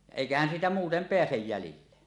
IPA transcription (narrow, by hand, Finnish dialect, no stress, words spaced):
jɑ eˑikæhæn siːtæ muːtem peæsej jælilːe